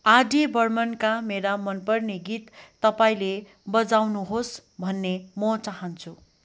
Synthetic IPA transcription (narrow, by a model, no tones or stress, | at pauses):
adibʌrmʌnkameɾamʌnpʌrneɡit̪ːʌpaĩle | bʌd͡zawnuɦosbʱʌnːemʌt͡saɦʌnt͡sʰu